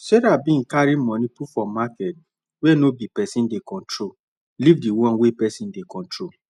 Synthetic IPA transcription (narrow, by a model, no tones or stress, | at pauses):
sɛɾabĩŋ̩kaɾimɔ̃nipufɔ̃makɛt̚ | wenobipɛsĩndekɔ̃ntɾo | livdiwɔ̃nwepɛsĩndekɔ̃ntɹo